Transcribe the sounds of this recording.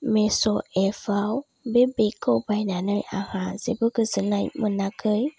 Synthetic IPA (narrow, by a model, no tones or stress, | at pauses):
mɛ̃soɛfao | bebekəwbainãnə̃aɣãzebəkəzənãmənãkəj